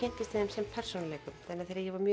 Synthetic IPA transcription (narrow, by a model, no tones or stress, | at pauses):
ɛn̥t̪ɪst̪ɛðɛmsɛmpʰɛr̥sonalɛkʏmθɛnːaðθejɾɪjɛvaɾmjœ